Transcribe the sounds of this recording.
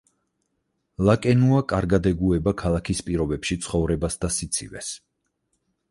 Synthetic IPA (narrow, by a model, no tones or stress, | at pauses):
lˠakʼɛnuakʼaɾɡad̪ɛɡuɛbakʰalˠakʰispʼiɾɔbɛpʃit̪sʰχɔvɾɛbasd̪asit̪sʰḭvɛ̰s